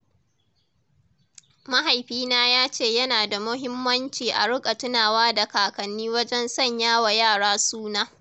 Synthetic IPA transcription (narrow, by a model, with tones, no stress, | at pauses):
ma˦ɦa˨jɸiː˦naː˦jaː˦t͡ʃeː˦˨jɐ˦naː˨da˨mʊ˦ɦɪ˦mːɐ˦nt͡ʃiː˨ʔa̰˨ɽʊ˦kʼa˨tʊ˦naː˨waː˦da˨kaː˨kɐ˨nːiː˦wɐ˦d͡ʒɛ˦nsɐ˦˨ɲjaː˦wa˨jaː˦˨ɽaː˦suː˦naː˦